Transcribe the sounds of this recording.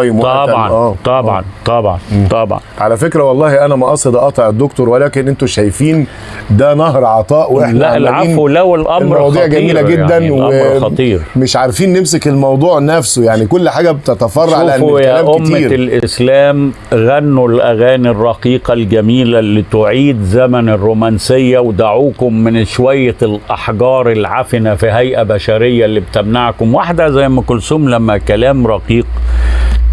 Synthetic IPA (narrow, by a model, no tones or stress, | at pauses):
ɑjːbwɑbʕɑ̰næːt̪ˤɑbʕɑ̰nt̪ˤɑbʕɑ̰nt̪ˤɑbʕɑ̰nʕalæfekɾæwɑlˤːɑːhiʔænæmæʔɑsˤed̪ɑʔɑt̪ˤɑʕed̪ːokt̪oɾwelæːkenʔent̪oʃæjfiːn | d̪ænɑhɾʕɑt̪ˤɑːʔweeħnæælʕaiːnnolæwelʔɑelɾmɑwɑːd̪ˤiːʕɡæmmiːlæɡed̪ːænweɑt̪ˤiːɾmeʃʕaɾfiːnːemsekelmɑwd̪ˤuːʕnæfsojaʕnikolːħaːɡæbet̪æt̪æfɑrˤːɑʕalæʔænjælæːmʔomiːɾlʔeɪslæːm | ɣænːulʔæɣæːnirˤːɑqiːqɑlɡæmiːlælːit̪oʕiːd̪zæmænɪrːoːmænsɪjːæwd̪aʕuːkʊmːɪnʃwæjːalʔɑħɡɑːɾˤɪlʕafɪnafiɦæjʔæbæʃæɾɪjːalːiːbt̪ɪmnaʕkʊmwaħd̪æzæjːmækʊlsuːmlæmːækælæːmɾˤɑqiːq